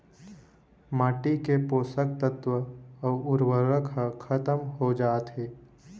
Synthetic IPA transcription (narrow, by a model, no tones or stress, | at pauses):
maːʈikepoːsək̚t̪ət̪ʋəɔːʊɾwəɾəkʰəkʰɐt̪əmɦod͡ʒaːt̪ɦeː